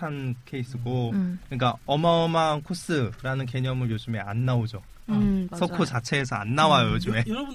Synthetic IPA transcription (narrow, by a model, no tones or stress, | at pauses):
ankʰe̞is͈ʰɯɡokɯɲik̬͈aʌmaʌmaŋkʰos͈ɯɾanɯnke̞ɲʌmɯɭjod͡ʑɯme̞a̰nːaod͡ʑo | sʰʌkʰot͡ɕat͡ɕʰe̞ːsʰʌa̰nːawajojod͡ʑɯme̞